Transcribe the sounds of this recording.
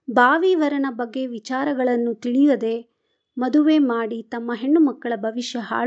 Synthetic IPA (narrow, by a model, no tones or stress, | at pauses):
bʱaːʋiːʋɐɾɐnɐbɐɡːe̞ʋit͡ʃaːɾɐɡɐɭɐnːut̪iɭijɐd̪e̞ | mɐd̪uʋe̞ːmaːɽit̪ɐmːɐɦeɳːumɐkːɐɭɐbʱɐʋiʃjɐɦa̰ː